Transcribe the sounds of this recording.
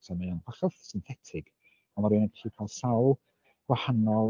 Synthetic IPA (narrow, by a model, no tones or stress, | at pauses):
samiɔnwaχɛθsɪnθɛtʰɪɡ̥ | ɔnmaɾɨnɛdʰiːkʰaːlˠsawlˠ | ɡ̥wahanɔl